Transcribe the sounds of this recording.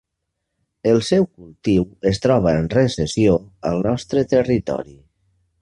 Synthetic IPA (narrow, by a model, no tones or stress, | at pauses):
əlˠsɛwkulˠt̪iwəst̪ɾɔβəənrəsəsioə̰lˠnɔst̪ɾət̪ərit̪ɔ̰ɾi